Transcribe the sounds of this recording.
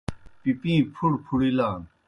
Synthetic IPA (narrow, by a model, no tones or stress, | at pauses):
pipĩːpʰuɽpʰuɽilaːn